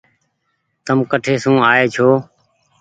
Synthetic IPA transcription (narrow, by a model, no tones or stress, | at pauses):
t̪əmkəʈʰeːsũːaːeːt͡ʃʰoː